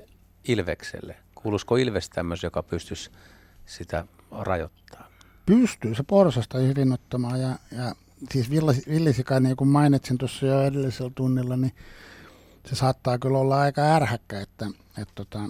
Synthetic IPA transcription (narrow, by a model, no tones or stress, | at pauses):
ilʋḛksḛlːekuːluskoilʋest̪æmːøsjokɑpyst̪ys | sit̪æ̰ | rɑ̰jo̰t̪ːɑ̥ː | pyst̪yːseporsɑst̪ɑhirinːot̪ːomɑːjɑjɑ | siːsʋilːɑsʋiljɑsikɑniːkummɑinit̪sint̪osːɑjoerelːiselt̪unːilːɑni | sesɑːt̪ːɑːkylolːɑɑikɑærhækːæet̪ːæ | et̪t̪ot̪ɑ